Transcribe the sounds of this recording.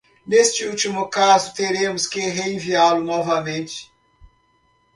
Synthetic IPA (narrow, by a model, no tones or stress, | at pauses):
nest͡ʃɪut͡ʃimʊkazʊt̪eɾẽmʊskɪɦeẽvialʊnɔvɐmẽnt͡ʃɪ̥